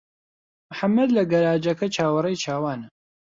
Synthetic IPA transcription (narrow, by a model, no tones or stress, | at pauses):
mħamːɐd̪lɐɡɐɾaːd͡ʒɐkʰɐt͡ʃʰaːwɐrɐjt͡ʃʰaːwaːnɐ